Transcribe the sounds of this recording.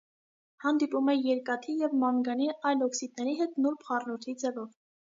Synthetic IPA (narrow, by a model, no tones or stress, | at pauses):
hɑnd̪ipumɛjɛɾkɑt̪ʰijɛvmɑŋɡɑniʔɑjlɔksid̪̚nɛɾiɦɛt̪nuɾpʰχɑrnɔɾt̪ʰid͡zɛvɔv